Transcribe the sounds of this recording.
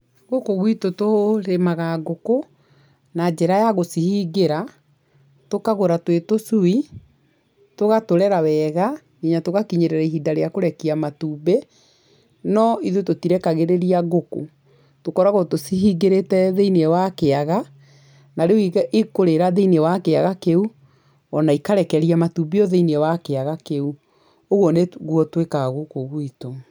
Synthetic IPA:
ɣokoɣwitotoɾemaɣaɡoko | nad͡ʒɛɾajaɣosihiɡeɾa | tokaɣoɾatwetosui | toɣatoɾɛɾawɛɣa | ɣiɲatoɣakiɲeɾɛɾaiɦidaɾeakoɾɛkiamatuːbe | nɔiðutotiɾɛkaɣeɾeɾiaɣoko̰ | tokɔɾaɣotosiɦiɡeɾetɛðeinɛwakeaɣa | naɾeuiʔekoɾeɾaðeinɛwakeaɣakeu | ɔnaikaɾɛkɛɾiamatubeɔðeiniɛwakeaɣakeu | oɣɔneɣwɔtwekaɣokoɣuito

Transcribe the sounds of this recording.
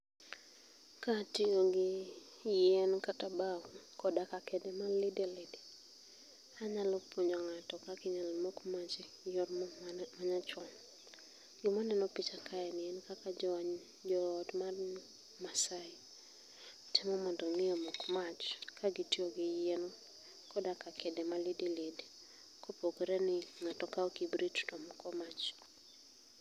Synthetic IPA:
katioɡɪ | jɛnkatabawkɔdakakʰɛdemalidelɪdi | aɲalɔpoɲɔŋatɔkakɪɲalmokmat͡ʃ | jɔtmaɲat͡ʃwɔn | ɡɪmɔnɛnɔpit͡ʃakʰaɛnɪɛnkakad͡ʒɔɲ | d͡ʒɔdmar | masaɪ | tɪmɔmɔndɔŋɪjɔmɔkmat͡ʃkʰaɡitioɡɪjenɔ | kɔdakakɛdɛmalidiled | kʰopokeɾɛnɪŋatɔkaɔkibɾitdɔmkɔmat͡ʃ

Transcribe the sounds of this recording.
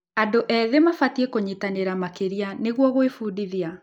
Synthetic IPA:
adoʔɛðemafatiekoɲitaneɾamakeɾianeɣwɔɣoefuːdiðja

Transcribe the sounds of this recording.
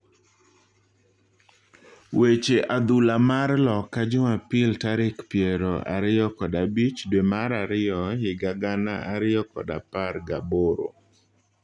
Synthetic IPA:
wet͡ʃeʔad̪ulamarlɔkːad͡ʒʊmapɪltaɾɪkpjeɾɔʔa̰ɾɪjɔkɔdabit͡ʃdwemaɾaɾɪɔɦɪɡaɡanaʔaɾɪjɔkɔ̰daparɡaboɾo̰

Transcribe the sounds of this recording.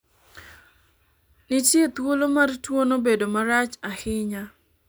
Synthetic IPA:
nɪtjet̪wolomartwonobedomaɾat͡ʃahɪɲa

